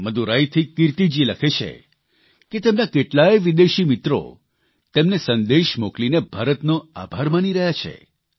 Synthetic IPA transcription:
məd̪uɾajt̪ʰikiɾt̪id͡ʒiləkʰet͡ʃʰḛ | ket̪emnakeʈlaeʋid̪eʃimit̪ɾo̰ | t̪emnesənd̪eʃmoklinebʱaɾət̪noa̰bʱaɾmaniɾəɦjat͡ʃʰḛ

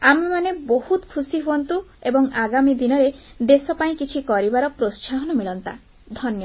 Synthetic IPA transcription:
amemanebohut̪kʰusiɦuɔnt̪uebɔŋaɡamid̪inɔɾe | d̪esɔpaĩkit͡ʃʰikɔɾibaɾɔpɾossaɦɔnɔmiɭɔnt̪a̰ | d̪ʱɔnjɔ

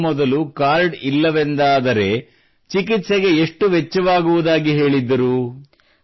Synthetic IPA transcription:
mɔd̪ɐlukaːɾɖilːɐʋend̪aːd̪ɐɾe̞ | t͡ʃikit̪seɡe̞eʂʈuʋet͡ʃːɐʋaːɡuʋud̪aːɡiɦe̞ːɭid̪ːɐɾu

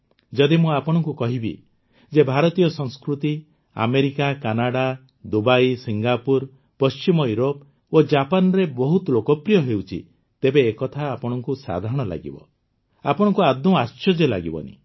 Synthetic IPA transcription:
d͡ʒɔd̪imũapɔɽ̃ɔŋkukɔɦibḭ | d͡ʒebʱaɾɔt̪ijɔsɔŋskɾut̪i | a̰meɾikakanaɽa | d̪ubajsiŋɡapuɾ | pɔst͡ʃimɔjuɾop | od͡ʒapanɔɾebɔɦut̪lokɔpɾijɔɦewt͡ʃʰḭ | t̪ebeːkɔt̪ʰaːpɔɽ̃ɔŋkusa̰d̪ʱaɾɔɽ̃ɔla̰ɡḭbɔ̰ | apɔɽ̃ɔ̃ŋkuad̪ũast͡ʃɔd͡ʒɔla̰ɡibɔ̰nḭ

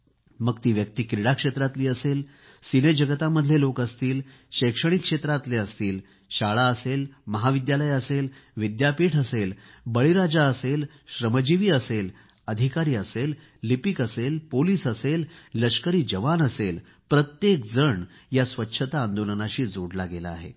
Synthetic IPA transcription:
məɡt̪iːʋjək̚t̪iːkɾiɽakʂet̪ɾat̪liːəsel | sined͡ʑəɡət̪amːəd̪ʱljelokəst̪iːl | ɕekʂəɽ̃ikʂet̪ɾat̪leəst̪iːl | ɕaɭaəselməɦaʋid̪jaləjəselʋid̪japiːʈʰəsel | bəɭiɾad͡zaəsel | ɕɾəməd͡ʑiʋiːəsel | əd̪ʱikaɾiːəselː | ipikəselpoliːsəselːəʂkəɾiːd͡ʑəʋanəsel | pɾət̪jek̚d͡zəɳ | jasʋətːɕʰət̪aːnd̪olənaɕiːd͡zoɽlaɡela̰ːɦḛ

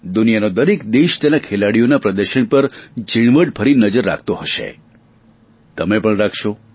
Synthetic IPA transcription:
d̪unijanod̪əɾekd̪eʃt̪enakʰelaɽijonapɾəd̪əɾʃəɳpəɾd͡ʒiɳ̃ʋəɖ̚pʰəɾinəd͡ʒəɾːa̰kʰt̪oɦəʃḛ | t̪əmepəɳɾakʰʃo

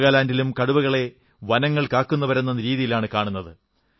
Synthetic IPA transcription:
ɣaːlaːndilumkɐɽubɐɣɐɭe̞ | ʋɐnɐŋːɐɭkaːkːunːɐʋɐɾunːɐnɾiːðijilaːɳɨkaːɳunːɐðɨ

